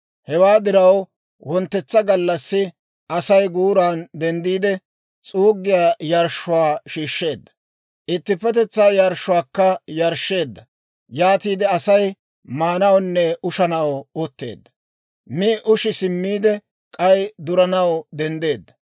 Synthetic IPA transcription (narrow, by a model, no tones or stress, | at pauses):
hɛwaːd̪ɪɾɐw | wɔnt̪ːɛt͡sːɐɡɐlːɐsːɪ | ʔɐsɐjɡuːɾaːnd̪ɛnd̪iːd̪ɛ | t͡sʼuːɡːɪjaːjɐɾʃːʊwaːʃiːʃːe̞ːd̪ːɐ̥ | ʔɪt̪ːɪpːɛt̪ɛt͡sːaːjaɾʃːʊwaːkːɐjɐɾʃːe̞ːd̪ːɐ | jaːt̪iːd̪ɛɐsɐj | maːnɐwnːɛʔʊʃɐnɐwʊt̪ːe̞̰ːd̪ːɐ̥ | mɪʔʊʃɪsɪmːiːd̪ɛ | kʼɐjd̪ʊɾɐnɐwd̪ɛnd̪e̞ːd̪ːɐ